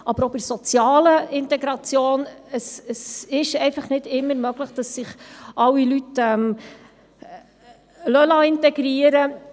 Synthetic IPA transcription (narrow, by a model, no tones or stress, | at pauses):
ʔɑbəɾobəɾsɔt͡sjɑːləɪntɛɡɾɑt͡sjoːnəsəsɪʃɛɪfɑχnɪdɪmːəɾmœɡləχd̥ɑsːɪχʔɑwːilytɛm | lœlɑɪntɛɡɾiəɾə